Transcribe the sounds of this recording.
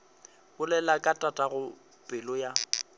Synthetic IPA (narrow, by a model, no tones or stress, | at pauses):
bʊlɛlakʼatʼatʼaɣʊ | pʼɪlɔja